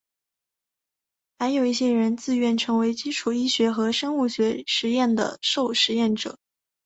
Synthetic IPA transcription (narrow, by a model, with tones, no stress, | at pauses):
xa˧˥ɪjo˨˩ʊi˥˩ɕjɛ˥ɻə˧˥nt͡sɹ̩˥˧ɥɛ˥˩nʈ͡ʂʰɤ˧˥ŋwe˧˥ɪt͡ɕi˥ʈ͡ʂʰu˨˩i˥ɕɥɛ˧˥xɤ˧˥ʂɤ˥nu˥˩ɕɥɛ˧˥ʂɻ̩˧˥jɛ˥˩nd̪ə̰˩ʂo˥˩ʊʂɻ̩˧˥jɛ˥˩nʈ͡ʂɤ̰˨˩˦